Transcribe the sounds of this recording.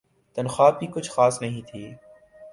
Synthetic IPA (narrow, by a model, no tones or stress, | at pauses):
t̪ənxaːb̚iːkʊt͡ʃʰxaːsnɐɦĩːt̪ʰiː